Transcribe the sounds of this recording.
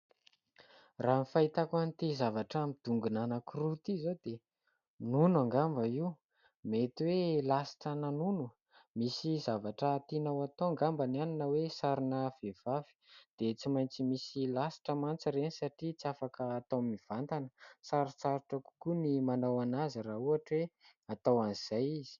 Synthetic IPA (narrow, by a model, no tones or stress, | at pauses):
raːmifait̪akanit̪izavaʈ͡ʂamid̪̥uŋɡunanakurut̪izod̪e | nunaŋɡambəiw | met̪iwelasi̥ʈ͡ʂənanunu | misizavaʈ͡ʂət̪inawat̪oaŋɡambananinəwesaɾinəv̥ev̥avi̥d̪̥et͡simajnt͡simisilasi̥ʈ͡ʂəmant͡siɾenisaʈ͡ʂit͡siafakəːt̪awmiv̥ant̪anəsaɾit͡saɾuʈ͡ʂəku̥kunimanawanaziɾauaʈ͡ʂwe | at̪awaniz̥ajiz̥i̥